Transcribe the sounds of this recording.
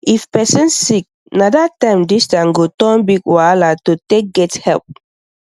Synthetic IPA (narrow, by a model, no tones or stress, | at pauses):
ifpɛsĩnssik̚ | nadatãɪ̃mdistãnɡotɔ̃nbikwalatotek̚ɡɛthɛlp̚